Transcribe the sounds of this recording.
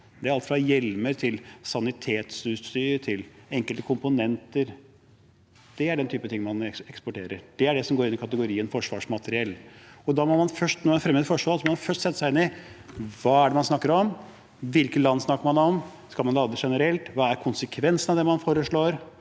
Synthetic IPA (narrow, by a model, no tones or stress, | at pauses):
d̪ɛæɾɑlt̪fɾɑjɛlməɾt̪ʰɪlsɑnɪt̪ʰeːt̪sʉst̪yːɾʈ̪ʰɪlɛŋkəlt̪əkʰʊmpʊnɛnt̪əɾ | d̪̥ɛæɖɛnt̪ʰyːpət̪ʰɪŋːmɑnɛkspɔʈeːɾə̰ɾd̪̥ɛæɖɛsɔmɡoːɾɪnːɪkʰɑt̪əɡʊɾiːənfɔʂʋɑːʂmɑt̪əɾɪɛlːɔd̪ɑmɔmɑnfœʂʈnɔmɛɑfɾɛmːəd̪əfɔʂʋɑːlsɔmɔmɑfœʂʈsɛt̪ːəsæɪɪnɪ | ʋɑːæɖɛmɑnsnɑkːəɾɔm | ʋɪlkəlɑnːsnɑkːəɾmɑnɔm | skɑlmɑnɑld̪ɾəʂɛnəɾɛlt̪ʋɑːæɾkʰʊnsəkʰʋɛnsənɑʋd̪ɛmɑnfoːɾəʂɭoːɾ